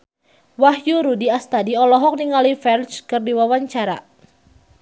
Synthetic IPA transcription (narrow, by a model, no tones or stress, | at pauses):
wahjuɾudiast̪adiɔlɔɦɔk̚niŋalifɛrt͡ʃkɨrdiwawaɲt͡ʃaɾa̰